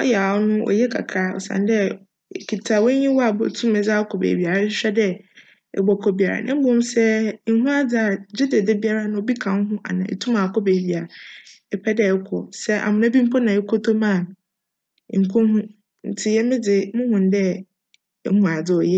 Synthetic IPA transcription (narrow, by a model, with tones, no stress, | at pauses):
ɔ˦jɛ˨a˨wɔ˦nʊ̃˦ʔɔ̰˨jɛ˦kʰa̰˨kʰɾa˦˨ɔ̰˨sã̰˨n˦dɛ˦˨ | kʰi˨tʰa˨wɔ̃˦ɲĩ˦wɔ˦a˨bɔ̰˨tʰũ˦mɛ̃˨d͡za˦kʰɔ˨bḛː˨bi˨a˨ɾɕᶣɛ˦dɛ˦ | ɛ̰˨ɡ͡bɔ˨kʰɔ˦bi˨a˨a̰˨nʔã̰˦bʊ˦ɔ̃˦msɛ˦n̩˦ɦũ˦a˦d͡zɪ˨˦a˨d͡ʑɪ˦de˨de˦bi˦a˦ɾa˦nã˨o˨˦bi˦kʰã˨n˦ɦʊ̃˦ʔa̰˨nã̰˨ɛ̰˨tʰũ˦mã˨kʰɔ˦be˨bi˨a˨ | ɛ˨pʰɛ˦dɛ˦ɛ˦kʰɔ̰˨sɛ˦ʔa̰˨mʊ̃˨na˦bĩ˦m̩˦pʰɔ˦nã˨ɛ˦kʰɔ˦tʰo˦mã˦˨n˨˦ | ŋ̩˨kʰɔ̃˦hũ˦ | n̩˨tʰɪ˦jɛ˦mɪ̃˦d͡zɪ˨˦mʊ̃˦hʊ̃˨n˦dɛ̰˦˨˦ | mũ˨a˨d͡zɪ˨ɔ˨jɛ˦